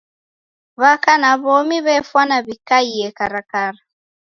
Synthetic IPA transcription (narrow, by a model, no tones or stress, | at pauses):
βakanaβɔmiβɛfwanaβikaiɛkaɾakaɾa